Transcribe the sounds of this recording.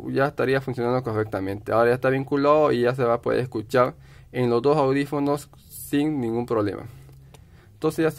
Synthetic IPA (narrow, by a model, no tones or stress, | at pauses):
jaest̪aɾiafunsjonãnd̪okorek̚t̪amẽnt̪eaoɾajaest̪aβiŋkulaðoiʝas̬eβapoðḛɾeskut͡ʃaɾ | enlozd̪osawðifonosː | iŋnĩŋɡumpɾoβlḛmʔa̰ | nt̪onseʝas